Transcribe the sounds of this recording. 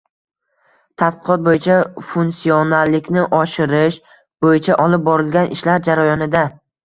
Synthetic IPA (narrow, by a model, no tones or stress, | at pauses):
t̪ʰat̪̚qɨqɒt̪̚bojɪt͡ʃʰafunsiɒnalːɪkʲnɪʔɒʃɪɾɪʃ | bojɪt͡ʃʰaʔɒlˠɪp̚bɒɾɪlɡʲanʔɪʃlaɾd͡ʒaɾajɒnɪd̪a